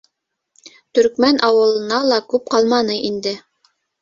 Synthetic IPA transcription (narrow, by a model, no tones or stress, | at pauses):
t̪ɵ̆ɾkmænʔɑwɤ̆lˠɤ̆nɑlˠɑkʉp̚qɑlˠmɑnɤʔind̪ɘ